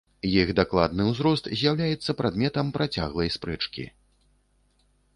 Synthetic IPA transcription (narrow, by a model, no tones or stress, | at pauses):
jiɣd̪aklˠad̪̚nɨwzɾɔst̪zʲjawlʲajɛt̪sːɐpɾad̪mʲɛt̪ɐmpɾat͡sʲa̰ɣlˠɐjspɾɛt͡ʂkʲḭ